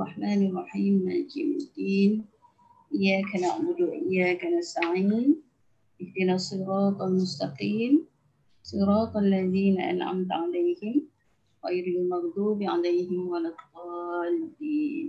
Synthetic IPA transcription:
rˤɑħmaːnɑrˤːɑħiːmːad͡ʒḭːmɪ̰d̪ːiːn | ʔɪjːaːkanaʕbʊd̪uʔɪjːaːkanast̪aʕiːn | ʔɪfd̪inasˤːɨɾˤɑːq̪almʊst̪ɑqiːm | sˤɨɾˤɑːq̪alːaðiːnaʔa̰nʕa̰mt̪ʕalajhɪm | ɣajɾɪmɑɣˤd̪uːbʕa̰lajhɪmwalɑt̪qɑːlɪd̪iːn

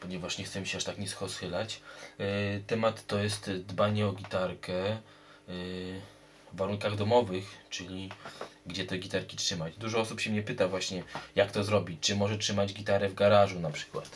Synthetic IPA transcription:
pɔɲɛvaʂɲɛxt̪sɛmiɕɛaʂt̪akɲɛsxɔsxɘlat͡ɕ | t̪ɛmat̪ːɔjɛst̪d̪baɲɛɔɡʲit̪aɾkɛ | aɾuŋkaɣd̪ɔmɔvɘxt͡ʂɘlʲiɡd͡ʑɛt̪ɛɡʲit̪aɾkʲitʂɘmad͡ʑd̪uʐɔɔsupɕɛmɲɛpɘt̪avwaɕɲɛjakt̪ɔzɾɔbʲit͡ɕt͡ʂɘmɔʐɛtʂɘmad͡ʑɡʲit̪aɾɛvɡaɾaʐunapʂɘ̥kwa̰t̪

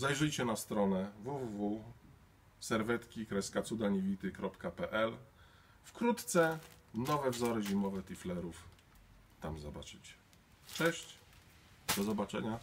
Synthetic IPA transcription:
zajʐɘjt͡ɕɛnast̪ɾɔnɛvuvuvu | sɛɾvɛt̪kʲikɾɛskat̪sud̪aɲevʲit̪ɘkɾɔpkapɛʔɛl | fkɾut̪t̪sɛ | nɔvɛvzɔɾɘʑimɔvɛt̪ʲiflɛɾuf | t̪amzɔbat͡ʂɘt͡ɕ | t͡ʂɛɕt͡ɕ | d̪̥ɔzɔbat͡ʂɛ̰ɲa

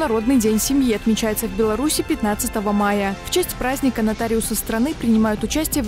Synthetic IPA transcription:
nɐɾo̞d̪nɨjdʲenʲsʲɪmʲjiɐt̪mʲɪt͡ɕæjɪt̪səvʲbʲɪlˠɐɾusʲɪpʲɪt̪nat̪sɨt̪əvəmajəft͡ɕæsʲtʲpɾazʲnʲɪkənɐt̪aɾʲɪʊsəst̪ɾɐnɨpɾʲɪnʲɪmajʊt̪ʊt͡ɕæsʲtʲɪjəv

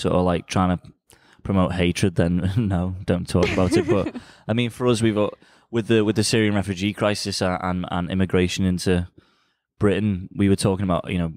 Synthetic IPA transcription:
sɔ̰ʔə̰vlaɪk̚tʰɹ̥aɪ̃ŋtʰə | pʰɹ̥əmoʊʔheɪt͡ʃɹ̥əd̪̚ðə̃nːoʊd̥õʊ̃ntʰɔːˑkəbaʊtɪt̚b̥ʌʔaɪmĩnfəɹʌzwivʔ | wɪðəwɪðəsɪɹiə̃nɹɛfjʉd͡ʒiːkʰɹ̥aɪsɪsəə̰̃nə̰̃nɪ̰mɪɡɹeɪʃə̃nɪ̃ntʰu | b̥ɹɪʔn̩wiwətʰɔːˑkɪ̃ŋəbaʊʔjʔɨ̰ñoʊ

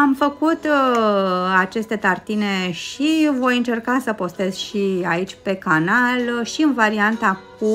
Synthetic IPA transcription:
amfəkut̪ | at͡ʃe̞st̪et̪art̪ine̞ʃivo̞jɨnt͡ʃe̞rkasəpo̞st̪e̞zʃiait͡ʃʲpe̞kanalʃiɨnvaɾiant̪ak̚u

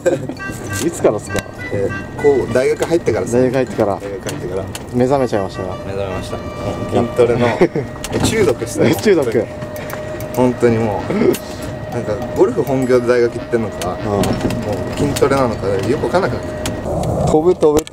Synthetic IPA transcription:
it͡sɨ̥kaɾasɨ̥k̪ːa̰ | ekoːd̪aiɡakɯɦait̪ːe̞kaɾad̪aiɡakɯ̟hait̪ːe̞kaɾa̰d̪aiɡakɯ̟hai̥t̪ːekaɾa̰ | me̞zame̞t͡ɕaimaɕi̥t̪aɡamezamemaɕi̥t̪ãnt̪oɾeno | t͡ɕɨːd̪okɯ̥t̪t͡ɕɨːd̪okɯ̟ | hõ̞nt̪o̞ɲ̟imoː | nãŋkaɡoɾoɸɯ̟ɦõ̞ŋɡʲo̞ːd̪e̞d̪aiɡakɯit̪ːenok̪aɡaɯ̃moːkʲĩnt̪o̞ɾenanot̪aejo̞kɯβakanːakɯnak̪ː | t̪ʰobɯt̪oβɯɾ

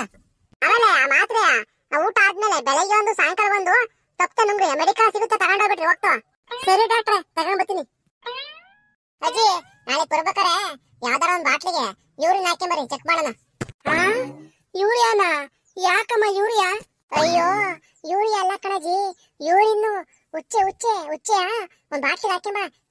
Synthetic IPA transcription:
ɐmeːleaːmaːt̪ɾeaː | uːʈaːd̪̚meːlebɛlɐɡeʋɐnd̪usaːŋkɐlɐbɐnd̪u | t̪ɐpːt̪enuŋɡɾiɐmeɽikaːsiɡut̪ːet̪ɐkaɳɖoːbiʈːɾiʋoːk̚ʈɐa | sɐɾiɖaːkʈːɐɾet̪ɐɡɐɳbɐɾt̪ːini | ɐd͡ʒi | naːlepɐɾubeːkaɾe | jaːʋd̪aːɾond̪baːʈliɡe | juːɾinːaːkːembɐɾit͡ʃekːbaːnɐnɐ | a | juːɾjaːna | jaːkɐmːajuːɾija | ɐjːoː | juːɽijaːlːɐkɐɳɐd͡ʒi | juːɽinːu | ut͡ʃːeut͡ʃːeut͡ʃːeja | ond̪ubaːʈliɡeaːkembɐɾe

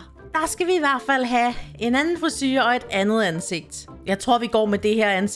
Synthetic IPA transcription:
d̥ɑ̈sɡ̥æʋiːʋæɐ̰d̥fæl̰ɦæe̝nænn̩fʁisy̰ːɐɒ̽e̝d̥ænð̞̩ˠænse̝ɡ̥̚d̥ | jɑ̈ɪt͡sʰʁo̝ɐ̰ʋiɡ̥ɒ̰ːmed̥e̝heɐ̰æns

